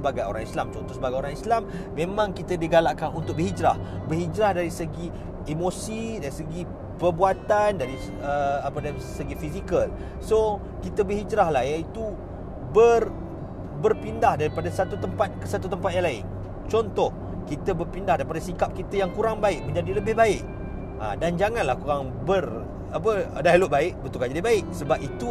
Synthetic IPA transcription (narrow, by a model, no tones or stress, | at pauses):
əbaɡajo̰ɾaŋislamt͡ʃɔnt̪ɔhsəbaɡajoɾaŋislamː | ẽmãŋkit̪adiɡalaʔkanunt̪ʊk̚bərɦid͡ʒɾah | bərɦid͡ʒɾahdaɾisəɡi | emosidaɾisəɡi | pərbuat̪andaɾi | əapədaɾisəɡifizikəl | so | kit̪əbəhɦid͡ʒɾahlahjait̪u | bər | bərpindahdaɾipadasat̪ut̪əmpat̪̚kəsat̪ut̪əmpat̪̚jaŋlaɪ̰n | t͡ʃɔnt̪ɔh | kit̪əbərpindahdaɾipadasikap̚kit̪əjaŋkuɾaŋbaɪʔ̚mə̃ɲd͡ʒadiləbɪhbaɪʔ | ʔa̰dand͡ʒaŋãnlahkuɾaŋ | bər | apədalʊʔbaɪʔbət̪ulkad͡ʒadibaɪʔsəbap̚it̪u